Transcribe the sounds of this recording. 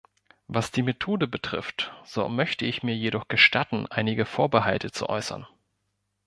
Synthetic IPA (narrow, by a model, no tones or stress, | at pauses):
vasd̥iːmetʰoːdəbətʁ̥ɪ̰ftz̥o̰ːmœçtəɪçmiːɐjeɾɔχɡ̥əʃtʰatn̩ʔa̰ɪnɪɡəfoːɐbəɦaltʰət͡sṵʔɔ̰ʏsɐ̰n